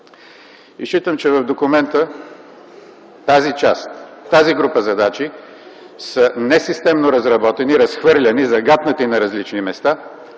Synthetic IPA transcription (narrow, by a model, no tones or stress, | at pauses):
iʃit̪əmt͡ʃɛvɐvd̪okʊmɛnt̪ə | t̪azit͡ʃast̪ːaziɡɾupəzɐd̪at͡ʃi | sənɛsist̪ɛmnoɾɐzɾɐbɔt̪ɛniɾɐsxvɤɾlʲɐnizɐɡat̪nət̪inɐɾɐzlit͡ʃnimɛst̪a